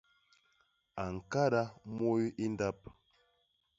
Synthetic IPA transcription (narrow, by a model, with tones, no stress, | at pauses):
a˨ŋ̩˨ka˦da˦mo˦i˦ʔi˦n˦da˦p̚